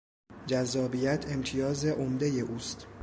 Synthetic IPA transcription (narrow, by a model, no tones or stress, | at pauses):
d͡ʒæzːɒːbijæt̪ʰe̞mt̪ʰijɒːze̞ʔomd̪eje̞ʔuːst̪